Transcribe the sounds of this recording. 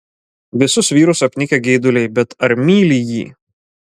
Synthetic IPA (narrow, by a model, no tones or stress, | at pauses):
ʋʲɪsʊsʋʲiːɾʊsɐpʲnʲɪkʲɛɡʲɛɪd̪ʊlʲɛɪbʲɛt̪ɐɾʲmʲiːlʲijḭː